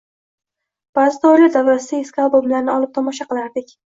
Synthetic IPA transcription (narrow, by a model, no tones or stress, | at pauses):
b̥aːzɪd̪awlɪɾd̪avɾasɪd̪aeskalˠboblaɾnɪɒlˠɪp̚t̪ʰɒmɒʃaqɨlˠaɾd̪ɪkʲ